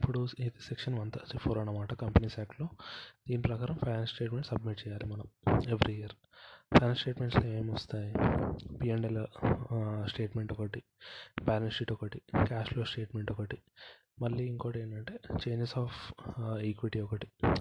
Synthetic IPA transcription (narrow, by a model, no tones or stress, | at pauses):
ipːuɽuid̪isekʂɐnʋɐnt̪ɐipʰoːɾɐnːɐmaːʈɐkɐmpɐniːsaːkʈloːd̪̥iːnipɾɐkaːɾɐmpʰɐjnansʈe̞ːʈmeɳʈsɐb̚miʈ̚t͡ʃɛːjaːlimɐnɐme̞ʋɾiijɐɾ | pʰɐjnansʈe̞ːʈmeɳʈsleːmɔst̪aːjipiːeɳɖelɐ | sʈe̞ːʈmeɳʈɔkɐʈi | paːnɐsiʈɔkɐʈikaːsloːsʈe̞ːʈme̞ɳʈɔkɐʈi | mɐlːiiŋkoːʈeːɳʈɐɳʈe̞ːt͡ʃe̞ːɲd͡ʒesaːfekʋiʈiɔkɐʈi̥